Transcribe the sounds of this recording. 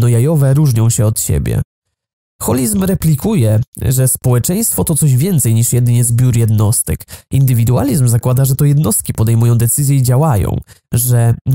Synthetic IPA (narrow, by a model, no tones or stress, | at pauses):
nɔjajɔvɛɾuʐɲɔ̃w̃ɕɛɔt̪ɕḛbʲjɛ̰ | xɔlʲizmɾɛplʲikujɛʐɛspɔwɛt͡ʂɛj̃st̪fɔt̪ɔt̪sɔʑvʲjɛnt̪sɛjɲiʂjɛd̪ɘɲɛzbʲjuɾjɛd̪nɔst̪ɘ̰kind̪ɘvʲid̪ua̰lʲizmzakwad̪aʐɛt̪ɔjɛd̪nɔst̪̚kʲipɔd̪ɛjmujɔ̃w̃d̪ɛt̪sɘzʲjɛid͡ʑawajɔ̰̃w̃ʐɛ